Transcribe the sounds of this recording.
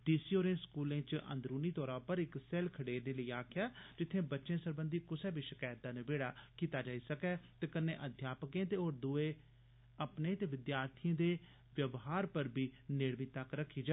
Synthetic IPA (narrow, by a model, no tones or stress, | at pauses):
d̪iːsioːɾẽːskuːlẽːt͡ʃʔə̰̃nd̪ɾuːniːt̪ɔːɾãːpəɾɪksɛːlkʰəɽeːneːləiːaːkʰjaːd͡ʒɪt̪ʰːẽːbətːʃẽːsəɾbənd̪iːkʊsɛːbiʃɪkaːjt̪ːaːneːbeːɽaːkiːt̪aːd͡ʒaːiːsəkɛːt̪eːkənːḛ̃ːʔəd̪ʱjaːpkẽːt̪eːoːɾd̪ʊeː | əpnẽːt̪eːʋɪd̪jaːɾt̪ʰijẽːd̪eː | ʋjəʋɦaːɾpəɾbʱiːneːɽmit̪əkɾəkʰːiːd͡ʒaː